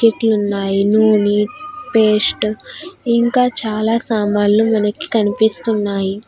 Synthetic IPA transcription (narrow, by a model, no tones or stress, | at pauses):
keʈlunːaːjinoːnipeːsʈ | iŋkaːt͡ʃaːlaːsaːmaːlːumɐnɐki̥kɐnipist̪unːaːji